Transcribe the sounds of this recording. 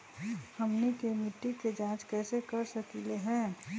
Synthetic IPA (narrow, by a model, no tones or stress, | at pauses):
hɐmnikemɪʈːiked͡ʒãːt͡ʃkɛːsekɐɾsɐkileɦɛ̃ː